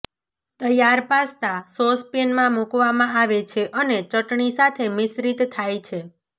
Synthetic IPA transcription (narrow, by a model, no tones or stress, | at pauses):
t̪əjaɾpast̪asospenmãmukʋamãaʋet͡ʃʰeʔənet͡ʃəʈɳisat̪ʰemɪsɾit̪ːʰajt͡ʃʰe